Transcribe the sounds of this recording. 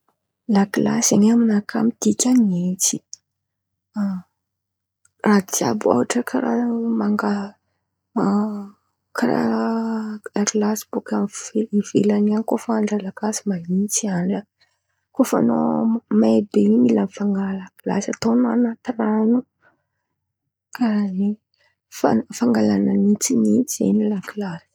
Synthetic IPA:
lakila̰saɲaminakʰa̰mit̪ikʲanient͡si̥ | a | rad̪ia̰bua̰waʈ͡ʂəkʰaramaŋɡa | kaɾa̰ | laklasi̥b̥ukamveiv̥elaniankofaaɳɖ͡ʐalakasimaɦint͡siana | kofa̰no̰maebeimilanfaŋɡalakla̰sat̪ona̰nat̪iranu | kaɾai | fafaŋɡalananit͡sinit͡siḛnilaklaɾi̥

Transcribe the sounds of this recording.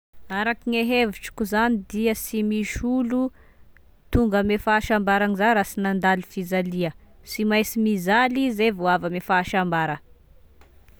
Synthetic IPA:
aɾakiŋeɦeviʈ͡ʂi̥kʲuzanid̪iəsimiʃulu | t̪uŋɡəmefaːʃambaɾanizaɾasinand̪alufizaliə | simajsimizalizevoavəmefaːʃambaɾə

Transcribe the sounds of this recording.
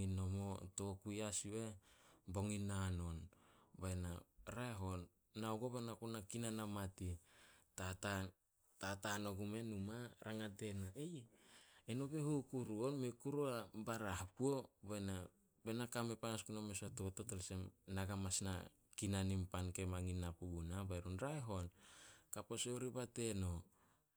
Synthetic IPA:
inomoto̞kujasiwebo̞ŋinano̞nbaenaɾaeɦo̞nː | aoɡo̞βenakunakinanamatitata | tatano̞ɡume̞numaɾʔaŋade̞naej | eno̞be̞hukuɾuonmekuɾuabaɾahpuo̞bena | benakame̞panaskunamesatoototolsemnaɡamasna̰ | kinanimpanke̞maŋinːapuɡunabaeɾonɾaeɦo̞nkapo̞seoɾibate̞no̞

